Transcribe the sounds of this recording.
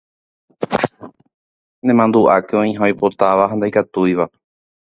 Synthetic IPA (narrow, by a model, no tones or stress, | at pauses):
nẽmãnd̪uʔakeõĩɦajpo̞t̪aʋaɦãnd̪ajkat̪ujʋa